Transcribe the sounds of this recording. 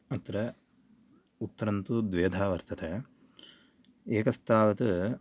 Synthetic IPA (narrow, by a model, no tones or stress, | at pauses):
ɐt̪ɾɐ | ut̪ːɐɾɐnt̪ud̪ʋeːd̪ʱaːʋɐɾt̪ɐt̪ʰɐ | eːkɐst̪ʰaːʋɐt̪ɨ